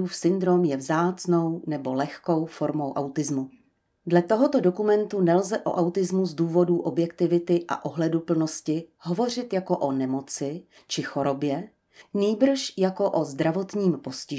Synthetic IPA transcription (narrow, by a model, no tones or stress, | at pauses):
uːfsɪnd̪ɾo̞mjɛvzaːt͡snownɛbo̞lɛxko̞wfo̞ɾmo̞wʔawt̪ɪzmu | dlɛt̪oɦo̞t̪o̞do̞kumɛnt̪unɛlzɛʔo̞̰ʔawt̪ɪzmuzduːvo̞duːʔo̞bjɛkt̪ɪvɪt̪ɪʔa̰ʔoɦlɛdupl̩no̞scɪɦo̞vo̞r̝ɪt̪jako̞ʔonɛmo̞t͡sɪ | t͡ʃɪxo̞ɾo̞bjɛ | niːbr̩ʃjako̞ʔo̞zd̪ɾavo̞t̪ɲiːmpo̞scɪ